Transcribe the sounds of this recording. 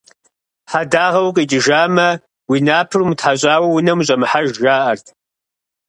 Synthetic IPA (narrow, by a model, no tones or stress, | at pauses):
ħadaːʁɐwkʼit͡ʃʼɪʒaːmɐ | winaːpʰɨrumtʰħaɕʷʼaːwɐwʊnɐmɕʼɐmɨħaʒʒaːʔɐrtʰʼ